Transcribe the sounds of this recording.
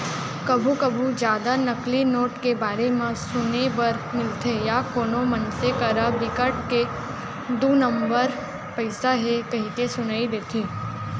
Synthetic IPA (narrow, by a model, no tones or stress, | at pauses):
kəbʱũkəbʱũd͡ʒjaːd̪anəklinoːʈkebaːɾemãsʊnebəɾ | mɪlt̪ʰejakonomənsekəɾabɪkaʈ̚ke | d̪unəmbəɾ | pəjsaɦekəɦĩkesʊnaid̪et̪ʰĩ